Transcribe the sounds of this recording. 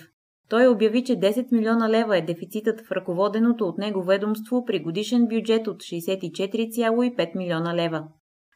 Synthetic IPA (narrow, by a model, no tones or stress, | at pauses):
t̪ɔjobjɐvit͡ʃɛd̪ɛsɛt̪milʲɔnəlɛvəɛd̪ɛfit̪sit̪ət̪fɾəkovɔd̪ɛnot̪oːt̪nɛɡovɛd̪omst̪vopɾiɡod̪iʃɛnbjud͡ʒɛt̪ot̪ʃɛːsɛt̪it͡ʃɛt̪iɾit̪sʲjalˠoipɛt̪milʲiɔnəlɛvə